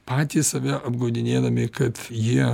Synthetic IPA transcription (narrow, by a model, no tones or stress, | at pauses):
pɑːt̪ʲiːssɐʋʲɛʔɐbɡɐʊd̪ʲɪnʲeːd̪ɐmʲɪkɐt̪jiɛ